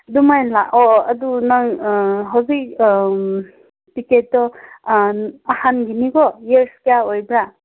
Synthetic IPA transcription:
dumajnlaʔɔadunaŋɦawzik | piketːɔ | ahanɡiniɡɔjeɾskijaojbɾa

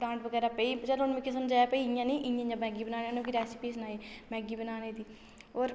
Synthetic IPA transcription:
ɽãːɳʈʋəɡɛːɾaːpəiːt͡ʃəlʊnmɪ̃kesəmd͡ʒaːjaːpəiːɪjãːniːʔiãːiɲãːmɛ̃ːɡiːbənaːneːnõːkiɾɛːsɪpiːs̬naːeːmɛ̃ːɡiːbənaːneːd̪iː | oːɾ

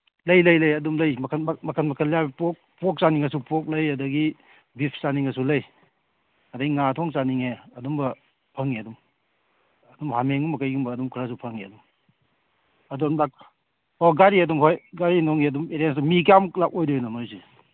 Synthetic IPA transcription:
lɐjlɐjlɐjɐdumlɐjmɐkʰnmɐkʰɐnmɐkʰɐljabipok̚pɔk̚saniŋɐsupɔk̬̚lɐjɐdɐɡi | bipʰsaniŋɐsulɐj | ɐdɐɡiŋatʰɔŋsaniŋeɐdumbɐ | pʰɐŋiɐdum | ɐdumhameŋumɐkajɡumbɐːdumkʰɾas̬upʰɐŋiɐ̰dum | ɐdumlak̚ | oɡaɾiɐdumɦojɡaɾinɔŋiɐdumeɾiens̬ɐmik̬amuklak̚ojdojnɐmazi

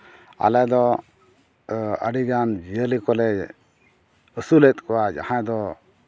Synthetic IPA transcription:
a̰lɛd̪ɔ | ə̰ɖiɡand͡ʒijəlikɔlɛ | əsulɛt̪̚kɔwad͡ʒa̰hãd̪ɔ

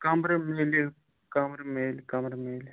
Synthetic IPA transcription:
kɐmɾɐmeːli | kɐmɾmeːlikɐmɾmeːl

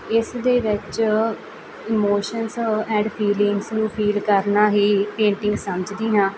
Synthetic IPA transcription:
ɪsd̪eːʋɪt͡ʃ | ɪmoːʃənsɛ̃ːɳɖpʰiːlɪŋɡsnũːpʰiːlkəɾnaːɦiːpẽːɳʈɪ̃ŋɡsəməd͡ʒd̪iːɦãː

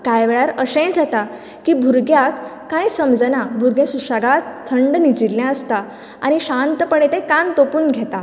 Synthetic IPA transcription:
kajʋɛɭjaɾəsẽjd͡zat̪a | kiːbʱuɾɡjakː | ãjsəmd͡zənabʱuɾɡjẽsuʂaɡat̪ʰːəɳɖnid͡ʑilːjãəst̪a | a̰ñiɕant̪pəɽet̪ẽkant̪opuːnɡʱet̪a

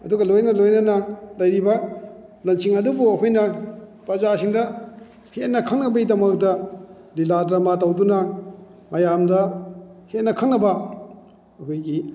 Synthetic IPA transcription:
ɐduɡɐlojnɐlojnɐnɐlɐjɾibɐ | lɐnsiŋɐdubuɐkʰojnɐpɾɐzasiŋdɐ | het̚nɐkʰɐŋnɐbɐidɐmɐk̚dɐ | liladɾɐmatɐwdunɐ | mɐjamdɐhet̚nɐkʰɐŋnɐbɐ | ɐkʰojɡi

